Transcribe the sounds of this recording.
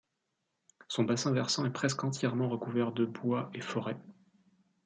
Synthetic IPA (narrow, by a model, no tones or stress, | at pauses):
sɔ̃basɛ̃vɛʁsɑ̃ɛpχɛskɑ̃t̪jɛʁmɑ̃ʁəkuvɛʁd̪əbwaefɔʁɛ